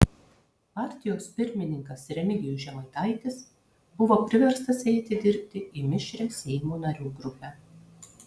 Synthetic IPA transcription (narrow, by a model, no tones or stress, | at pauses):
pɑːˑɾʲt̪ʲɪjoːspʲɪɾʲmʲɪnʲɪŋkɐsɾʲɛmʲɪɡʲɪjuːʒʲɛmɐɪt̪ɐɪt̪ʲɪs | bʊʋoːpʲɾʲɪʋʲɛɾst̪ɐsɛɪt̪ʲɪd̪ʲɪɾʲpʲt̪ʲɪimʲɪʃʲɾʲɛsʲɛɪmuːnɐɾʲuːɡɾʊpʲɛ